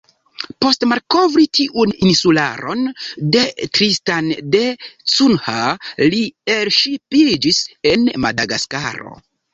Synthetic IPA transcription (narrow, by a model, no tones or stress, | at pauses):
po̞stmalko̞vɾitʰiʔuninsula̰ɾo̞nde̞tɾistandet͡sunhalielʃipild͡ʒise̞nma̰daɡaskaɾo̞̰